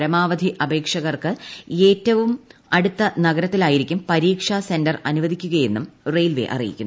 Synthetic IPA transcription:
ɾɐmaːʋɐd̪ʱiʔɐbʱe̞ːkʂɐɣɐrkɨe̞ːtːɐʋumɐɽut̪ːɐnɐɣɐɾɐt̪ːilaːjiɾikʲːumpɐɾiːkʂase̞ndɐrɐnuʋɐd̪ʱikʲːuɣɐje̞nːumrejlʋe̞̰ʔɐ̰rḭjḭkʲːunː

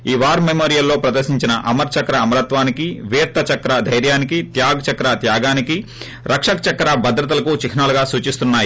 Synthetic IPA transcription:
iːʋaːɾmemoːɾijɐlːo̞ːpɾɐd̪ɐɾʃiɲt͡ʃinɐʔɐmɐɾt͡ʃɐkɾɐːmɐɾɐt̪ʋaːnikiʋiːɾt̪ʰɐt͡ʃɐkɾɐd̪ʱɐjɾjaːnikit̪jaːɡɐt͡ʃɐkɾat̪jaːɡaːniki | ɾɐkʂɐkɐt͡ʃɐkɾaːbɐd̪ɾɐt̪̬ɐlɐkut͡ʃikʰinaluɡaːsuːt͡ʃist̪unːaːji

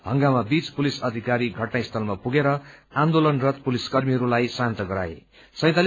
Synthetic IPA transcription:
ɦʌŋɡamabit͡spulisʌd̪ʱikaɾiɡʱʌʈnajst̪ʰʌlmapuɡeɾʌand̪olʌnrʌt̪puliskʌrmiɦʌɾulajsant̪ʌɡʌɾa̰ḛ | sʌ̃j̃t̪al

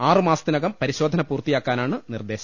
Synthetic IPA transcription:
aːrɨmaːsɐt̪ːinɐɣɐmpɐɾiɕo̞ːd̪ʱɐnɐpuːrt̪ijaːkːaːnaːɳɨnird̪e̞ːɕɐm

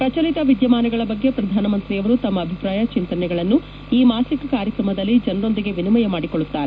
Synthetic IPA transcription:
pɾɐt͡ʃɐlit̪ɐʋid̪jɐmaːnɐɡɐɭɐbɐɡːe̞pɾɐd̪ʱaːnɐmɐnt̪ɾiɐʋɐɾut̪ɐmːɐːbʱipɾaːjɐt͡ʃint̪ɐnɛɡɐɭɐnːu | iːmaːsikkaːɾjɐkɾɐmɐd̪ɐlːid͡ʒɐnɐɾo̞nd̪iɡe̞ʋinimɐjɐmaːɽikoɭːut̪ːaːɾe

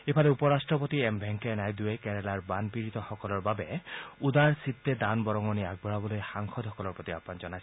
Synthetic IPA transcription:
epʰalɛupɔɹasʈɹɔp̬ɔt̪iɛmbʱɛŋkɛnajd̪uekɛɹɛlaɹbanpiɹit̪ɔxɔkɔlɔɹbabɛud̪aɹsit̪ːed̪anbɔɹɔŋɔniaɡ̚bʱɔɹabɔlojxaŋxʰɔd̪ʱɔkɔlɔɹpɔt̪ia̰panzɔnajs

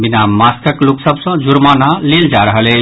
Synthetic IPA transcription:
binamaskəkloksəbsə̃d͡ʒuɾmanaleld͡ʒaɾəɦəlɛ

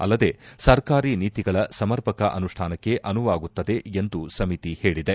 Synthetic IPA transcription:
ɐ̰lːɐd̪e̞ːsɐɾkaːɾiniːt̪iɡɐɭɐsɐmɐɾpɐkɐʔɐnuʂʈʰaːnɐkːe̞ʔɐnuʋaːɡut̪ːɐd̪e̞end̪usɐmit̪ihe̞ːɭid̪e

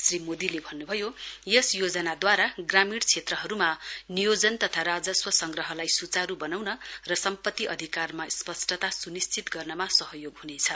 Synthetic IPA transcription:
srimod̪ilebʱʌnːubʱʌjojʌsjod͡zʌnad̪waɾaɡramiɽt͡sʰet̪rʌɦʌɾumanijod͡zʌnt̪ʌt̪ʰaɾad͡zʌswʌsʌŋɡrʌɦʌlajsut͡saɾubʌnawnʌrʌsʌmpʌt̪ːiʔʌd̪ʱikarmaspʌsʈʌt̪asunist͡sit̪ɡʌrnʌmasʌɦʌjoɡɦunet͡sʰʌ

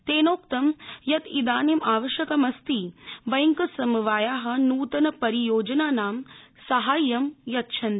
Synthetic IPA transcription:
t̪eːnoːkt̪ɐmjɐt̪id̪aːnemaːʋɐʃjɐkɐmɐst̪iʋɐjŋkɐsɐmuʋaːjaːɦɐ̆nuːt̪ɐnɐpɐɾijoːd͡ʒɐnaːnaːmsɐɦaːjːɐmjɐt̪ʃʰɐn

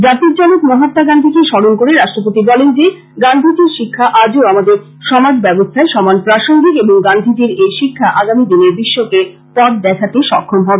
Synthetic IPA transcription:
d͡ʑat̪iɾt͡ɕalokmɔɦat̪ːaɡand̪ʱikeʃɔɽonkoɾeɾaʃʈɾop̬ot̪ibɔlend͡ʑe | ɡand̪ʱit̪iɾʃikʰːaʔad͡ʑeoamad̪eɾ | ʃɔmad͡ʑbɛbost̪ʰaeʃɔmanpɾaʃoŋɡikeboŋɡand̪ʱit̪iɾejʃikʰːaʔaɡamid̪ineɾbiʃːoke | pɔʈ̚d̪ɛkʰat̪eʃɔkʰːomɦɔbe

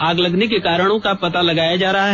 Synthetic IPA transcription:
aːɡlɐɡnekekaːɾəɽ̃õkapɐt̪alɐɡaːjad͡ʒaːɾɐɦaɦ

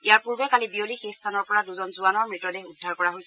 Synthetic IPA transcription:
ijaɹpuɹbɛkalibiolixestʰanɔɹpɔɹaduzɔnzuanɔɹmɹitɔdɛudʱːaɹkɔɹaɦojsɛ

